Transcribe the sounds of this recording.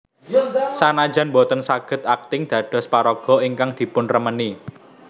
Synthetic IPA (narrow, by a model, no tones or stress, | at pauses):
sanḁd͡ʒ̥a̤nmbot̪ənsaɡ̥ə̤t̪̚ak̚t̪ɪŋd̪̥ä̤ɖ̥ɔ̤spaɾoɡ̥ɔ̤iŋkaŋd̪̥i̤pʊnrəməni